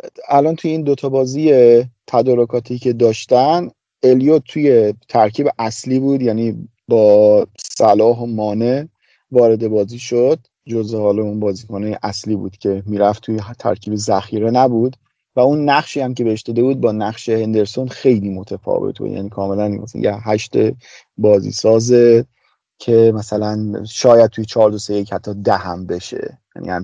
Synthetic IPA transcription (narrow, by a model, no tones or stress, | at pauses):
ælɒːnt̪ʰujeiːnd̪o̞t̪ʰɒbɒːziːjet̪ʰæd̪ɒːɾokʰɒːt̪ʰiːcʰe̞d̪ɒːʃt̪æn | e̞lijot̪̚ʰːuje̞t̪ʰæɾcʰiːbeʔæsliːbuːd̪jæniː | bɒːsælɒːɦomɒːne | vɒːɾe̞d̪e̞bɒːziːʃod̪̥̚ | d͡ʒozehɒːlɒunbɒːziːkʰonejeʔæsliːbṵːd̪̥cʰe̞miːɾæft̪ʰujet̪ʰæ̰ɾcʰiːbe̞zæxiːɾe̞næbuːd̪ | væunːæχʃiːæmce̞beeʃd̪ɒːd̪e̞buːd̪̚bɒːnæχʃe̞hend̪e̞ɾso̞nxe̞jliːmo̞t̪ʰefɒ̰ːvḛt̪̚ʰbṵːd̪jæ̰ːniːkʰɒːme̞lænmæ̰sjeɦæʃt̪e | bɒːzḭːsɒːze | cʰe̞mæsælænʃɒːjæd̪̚t̪ʰujet͡ʃʰɒːɾd̪osejechæt̪ʰːɒːd̪æhæmbe̞ʃe̞̰jæ̰nḭːhæm